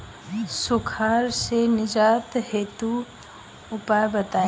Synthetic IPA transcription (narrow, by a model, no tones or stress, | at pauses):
sʊkʰaːɾsenɪd͡ʒaːt̪heːt̪u | ʊpaːjbɐt̪ãː